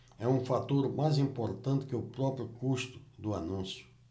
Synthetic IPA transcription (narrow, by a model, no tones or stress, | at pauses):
ɛũfat̪oɾmajzĩmpoɾt̪ɐ̃nt̪ɪ̥kɪʊpɾɔpɾjʊkust̪ʊ̥d̪ʊanũsjʊ̥